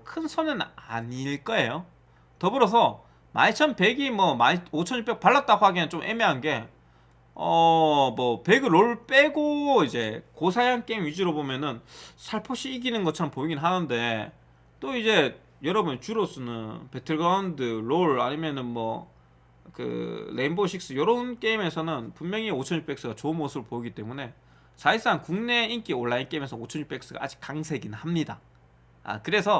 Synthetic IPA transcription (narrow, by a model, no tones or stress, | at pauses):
kʰɯnsʰʌnɯnaɲiɭk͈ʌe̞jo | tʌbɯɾʌs̬ʰʌ | ma̰nt͡ɕʰʌnpe̞ɡimwʌmaot͡ɕʰʌnip͈ek̚paɭːat̚t͈aɡohaɡinɯnt͡ɕomʔḛmeɦanɡe̞ | ʌmʌpe̞ɡɯɾoɭp͈eɡoid͡ʑe̞̰kosʰajaŋk͈eŋɥid͡ʑɯɾobomjʌnɯnsʰaɭpʰoɕʰiːɡinɯnɡʌt͡ɕʰɾʌmpoiɡinɦanɯnde̞ | t͈oid͡ʑe̞ | jʌɾʌbunt͡ɕuɾos͈ɯnɯnpe̞tʰɯɭɡɾaundɯɾoɭa̰ɲimjʌnɯnmʌ̰ | kɯ̰leinboɕʰik̚s͈ɯjʌɾʌunk͈e̞ime̞sʰʌnɯnpummjʌŋiot͡ɕʰʌɲɕʰip͈e̞k̚s͈ɯɡat͡ɕoɯnmosʰɯbɯɭpoiɡit͈e̞mune̞ | t͡ɕais͈aŋkuŋne̞ink͈ioɭːaink͈e̞ime̞sʰʌot͡ɕʰʌnɕʰip͈e̞k̚s͈ɯɡa̰ʔa̰d͡ʑi̥k͈aŋsʰe̞ɡinhamɲida̰ | a̰kɯɾe̞sʰʌ